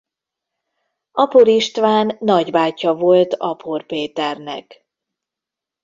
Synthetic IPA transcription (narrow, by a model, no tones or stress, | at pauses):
ɒpoɾiʃt̪ʋaːnːɒɟbaːcɒvo̞lt̪ɒpʰorpeːt̪ɛrnɛ̰k